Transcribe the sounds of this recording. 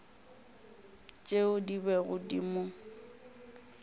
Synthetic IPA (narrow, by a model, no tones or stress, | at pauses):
t͡ʃʼeʊdibɛɣʊdḭmʊ